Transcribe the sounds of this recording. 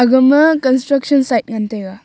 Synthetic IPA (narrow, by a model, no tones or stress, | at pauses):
ɐɡɐmɐkɐnsʈɾɐk̚ʃɐnsajt̚ŋant̪ʰajɡa